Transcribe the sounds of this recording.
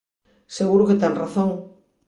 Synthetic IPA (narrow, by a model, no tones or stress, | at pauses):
seɣuɾʊket̪eŋraθoŋ